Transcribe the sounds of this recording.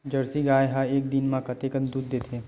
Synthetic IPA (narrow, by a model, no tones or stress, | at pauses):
d͡ʒɐɾsiɡaːjɦãeːkd̪inmãkɐt̪ekə̃nd̪uːd̪ːeːt̪ʰẽː